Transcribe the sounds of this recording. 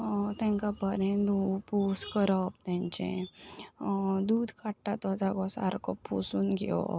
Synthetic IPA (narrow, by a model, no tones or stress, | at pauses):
t̪ɛ̃ŋkapəɾɛ̃nd̪upuskəɾəp̚t̪ãɲt͡ɕḛ̃ | d̪uːd̪ʱkaʈʈat̪ad͡zaɡɔ̃sa̰ɾkɔpʰːusuːnɡḛʋɔ̰